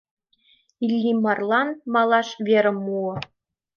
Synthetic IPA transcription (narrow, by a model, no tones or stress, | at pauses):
ilʲːimɑrlˠɑnmɑlˠɑʂvʲeɾɘ̆mːuɤ̆